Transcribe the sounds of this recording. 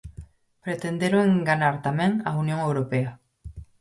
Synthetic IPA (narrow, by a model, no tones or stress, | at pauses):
pɾet̪end̪eɾoeŋɡanaɾt̪amẽŋaunjõŋewɾopea